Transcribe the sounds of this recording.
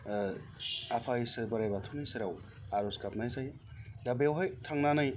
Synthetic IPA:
apʰaisɯbɐɾajbatʰunijseɾaw | aɾuskap̚najzaj | dabewɦajtʰaŋnanɯj

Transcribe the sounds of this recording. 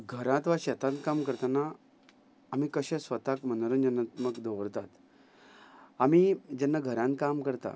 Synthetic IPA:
ɡʱəɾãt̪ʋaɕɛt̪ãnt̪kamkəɾt̪anaː | miːkəɕɛ̃sʋət̪akmənəɾənd͡ʑənat̪məkd̪ʱəʋəɾt̪at̪ | amiːd͡ʑɛnːaɡʱəɾãnt̪̚kamkəɾt̪a̰

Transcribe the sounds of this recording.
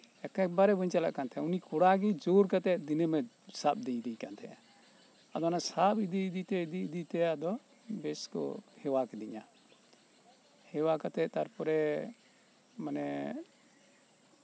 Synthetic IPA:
ɛkɛbaɾɛbəɲt͡ʃala̰ʔkant̪ʰɛunikɔɽaɡid͡ʒoɾkat̪ɛd̪inemɛ | sap̚d̪iɲd̪iɲkant̪ʰɛ̰a | ad̪ɔnasapid̪iid̪it̪ɛid̪iid̪it̪ɛad̪ɔ | bɛskɔ̰hɛwakɛd̪iɲa̰ | hɛwakat̪ɛt̪aɾpɔɾɛ | manɛ

